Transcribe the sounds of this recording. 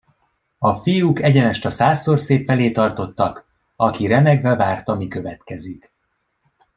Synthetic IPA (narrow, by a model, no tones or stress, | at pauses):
ɒfijukɛɟɛnɛʃt̪ɒsaːsːorseːpfɛleːt̪ɒrt̪o̞t̪ːɒk | ɒkiɾɛmɛɡvɛvaːrt̪ɒmikø̞vɛt̪kɛzik